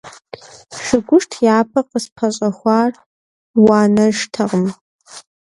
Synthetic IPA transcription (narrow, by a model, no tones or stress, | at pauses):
ʂɨɡʷʊʂtʰjaːpʰɐqəspʰɐɕʼɐχʷɑːr | wɑːnɐʒtʰɐʁəm